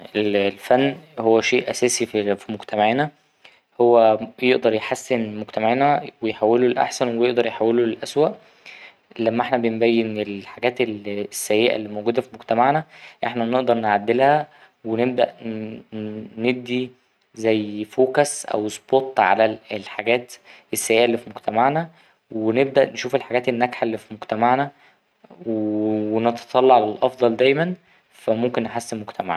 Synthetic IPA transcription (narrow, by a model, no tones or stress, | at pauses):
ʔellfænːhowːæʃeːʔʔæsæːsiffimoɡt̪æmeʕinæ | howːæjeʔd̪ɑɾˤjeħasːenmoɡt̪æmeʕinæwejħawːelolʔa̰ħsænwejeʔd̪ɑɾˤjħawːelolʔæswæʔ | læmːæʔeħnæbenbæjːenelħaɡæːt̪elsːæjːeʔæ̰lːiːmowɡuːd̪æfimoɡt̪æmaʕnæʔeħnæneʔd̪ɑɾˤnʕad̪ːelhæ | weneb̚d̪æ̰ʔ | neb̚d̪i | zæjːfoːkæsʔæ̰wspot̪ːʕa̰lælħaɡæːt̪ | esːæjːeːʔælːiːfimoɡt̪æmaʕnæ | weneb̚d̪æʔnʃuːfelħaɡæːt̪enːæɡħalːifimoɡt̪æmaʕnæ | wwenet̪ɑ̥t̪ˤɑlːɑʕalælʔɑfd̪ˤɑld̪æjmæn | fæmomkenːeħasːemmoɡt̪ʰæmaʕ